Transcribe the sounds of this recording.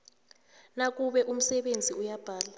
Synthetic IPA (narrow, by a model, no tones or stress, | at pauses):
nak̬ʼuɓɛʔum̩sɛɓend͡zʱiujab̥ʱaːla